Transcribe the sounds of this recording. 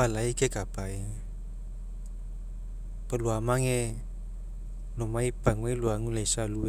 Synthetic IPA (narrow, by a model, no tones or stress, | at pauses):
alaikekapai | pəluamaŋe | lomaipaŋuiluaŋulaisalu